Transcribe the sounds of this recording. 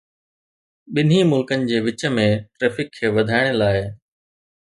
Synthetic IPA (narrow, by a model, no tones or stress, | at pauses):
ɓɪn̤imʊlkənɪ̆d͡ʑeːʋɪt͡ɕəmẽʈɾeːfɪkʰːeːʋɐd̪ʱaːɪɽ̃laːɪ